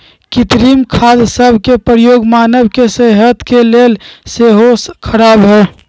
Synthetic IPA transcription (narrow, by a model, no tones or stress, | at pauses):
kit̪ɾimkʰad̪səbʱkepɾəjoɡmanəbkesəɦət̪kelelseɦoskʰəɾaːbɦɛ